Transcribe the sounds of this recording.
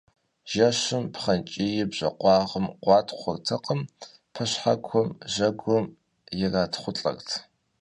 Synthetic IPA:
ʒ̥ɐɕɪmpχɐnt͡ʃʼijɪbʑ̥ɐ̰qʷɑːʁəmqʷɑːtʰχʷʊrtʰɐqəm | pʰɐɕħakʷʰɔmʒɐɡʷɔm | jɪraːtʰχʷʊɬʼɐ̰rtʰ

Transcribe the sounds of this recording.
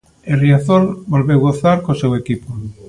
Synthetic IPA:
eriaθolbolβewɣoθaɾkosewekipo

